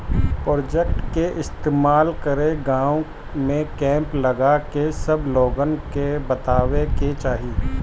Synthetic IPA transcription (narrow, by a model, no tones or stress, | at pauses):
pɾɔːd͡ʒɛkʈkeʔɪst̪eːmaːlkəɾeɡãːõ | mẽkɛ̃ːmplɐɡakesɐbloːɡənkebɐt̪aːweket͡ʃaːɦiː